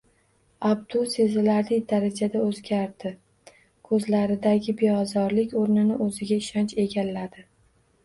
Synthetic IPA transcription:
ab̚d̪ʊse̞zɪlaɾlɪd̪aɾad͡ʒad̪aɵzɡʲaɾd̪ɪ | kʰɵzlaɾɪd̪aɡʲɪbejɒzɒɾlɪkʲoɾnɪnɪʔɵzɪɡʲaɪʃɒnt͡ʃe̞ɡʲalːad̪ɪ

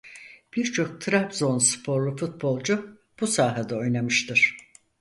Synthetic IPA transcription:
b̥iɾt͡ʃʰo̞k̚t̪ʰɾapzo̞nspʰo̞ɾlˠufut̪̚bo̞lˠd͡ʒu | b̥usaːɦad̪ɛo̞jnamɯʃt̪ʰɯɾ̥

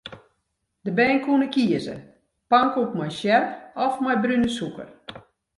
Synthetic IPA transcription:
d̥əbɛːnkʰunəkʰiəzə̰ | paŋkukmajʃjɛrpɔfmajbrynəsukə̰r

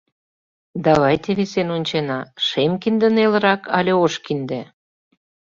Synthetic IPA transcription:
d̪ɑβɑjt̪eβisenonʲt͡ɕenɑʃemkind̪ə̆nelə̆ɾɑkɑlʲeoʃkind̪e

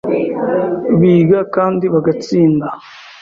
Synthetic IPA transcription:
βiːɡakaːndiβaɡat͡siːnda

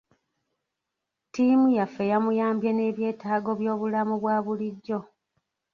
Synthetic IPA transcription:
timujafːe̞jamujaːmbjene̞ːβje̞ːtaːɡo̞βjo̞ːβulamuβwaːβuliɟːo̞

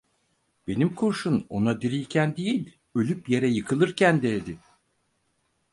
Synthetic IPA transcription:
b̥e̞nimkʰuɾʃuno̞̰nad̪iɾilʲcʰænd̪ejilʲ | ø̞lʲypje̞ɾɛjɯkʰɯlˠɯɾcʰænd̪eːd̪ɪ

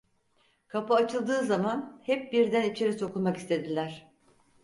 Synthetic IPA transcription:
kʰapɯat͡ʃʰɯlˠd̪ɯːzamanhɛp̚biɾd̪ænit͡ʃʰe̞ɾiso̞kulˠmakist̪ʰe̞d̪ilʲæɾ̝̥

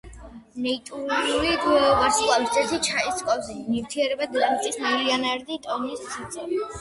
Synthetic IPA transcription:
nɛit̪ʼuɾnulid̪vɛvaɾsχʼlˠavist̪ʰʼɛsit͡ʃʰaiskʼɔvzinift̪ʰiɛɾɛbad̪ɛlmit̪ʼismɛliɔnaɾd̪it̪ʼɔnisʰit̪sʼɛ

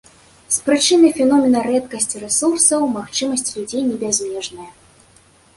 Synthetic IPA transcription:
spɾɨt͡ʂɨnɨfʲɛnɔmʲɛnɐɾɛt̪kɐsʲt͡sʲiɾɛsursɐwmaxt͡ʂɨmɐsʲt͡sʲlʲud͡zʲejnʲɛbʲazʲmʲɛʐnɐjɐ

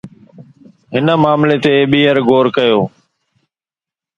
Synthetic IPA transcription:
ɦɪnəmaːmlet̪eːɓiːəɾɡoːɾkəjoː

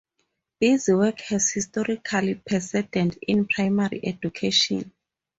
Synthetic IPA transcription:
b̥iziwɛkʰhɛz̥histɔɹikʰalipʰɛsɛdɛ̃ndĩnpʰɹajmarḭʔɛdukʰeʃɔ̰̃n

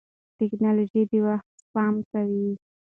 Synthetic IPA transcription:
ʈɪknɑlod͡ʒid̪iwaxt̪pɑmkawi

